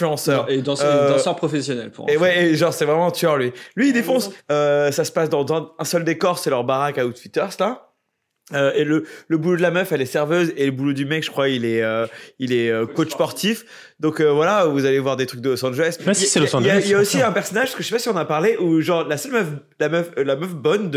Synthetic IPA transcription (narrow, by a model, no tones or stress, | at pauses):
fyɑ̃sœʁed̪ɑ̃sød̪̃sœʁpχɔfesjɔnɛlpʰṵʁ̰ewɛeʒɑ̃ʁsɛvʁɛmɑ̃t̪ɔʁlɥilɥiːd̪efɔ̃søsasə̥pasd̪ɑ̃zɛ̃ɛ̃sœld̪ekɔʁsɛlœʁbaʁakaut̪wit̪œʁsla | øelələbulod̪lamœfɛlɛsɛʁvøzeləbulod̪ymɛkʒ̥ə̥kχwailɛøilɛøkot͡ʃspɔʁt̪ʰif | d̪ɔ̃køvwalavuzalevwaʁd̪et̪χyk̚d̪əlosɑ̃d͡ʒelɛsijasɛlosid͡ʒjjailljaosiɛ̃pɛʁsɔnaʒpskəʒəʃɛpasiɔ̃napaʁleʔuʒɑ̃ʁlasœlmœf | lamœflamœfbɔnd̪